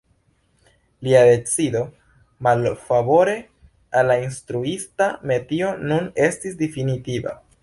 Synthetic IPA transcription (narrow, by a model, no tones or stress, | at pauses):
liade̞t͡sido̞ | malfabo̞ɾe̞ | alːainstɾuistame̞tio̞nune̞stisdefinitiva̰